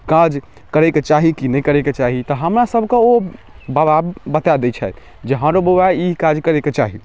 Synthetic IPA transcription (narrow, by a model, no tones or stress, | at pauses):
kad͡ʒ | kəɾɛket͡ʃaɦikinɛjkəɾɛket͡ʃaɦit̪ɔɦəmɾasəbʱkeobababət̪ad̪ɛt͡ʃʰɛt̪ | d͡ʒeɦə̃ɾobowaikad͡ʒkəɾɛket͡ʃaɦi